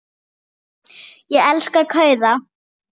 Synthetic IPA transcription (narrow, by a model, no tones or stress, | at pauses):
jɛɛlskakʰœːɥða